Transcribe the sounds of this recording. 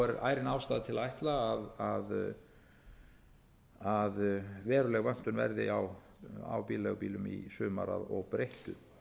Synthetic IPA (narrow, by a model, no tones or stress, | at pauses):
ɛɾɾʔaːjɾɪnaːwst̪aːðt̪ʰɪlaajht̪laːðað | aðvɛːɾʏlɛɣvœn̥t̪ʏnvɛ̰ɾðɪaw | a̰wpiːlɛɣpiːlʏmḭsʏːma̰ɾa̰ðɔɣpɾejht̪ʏ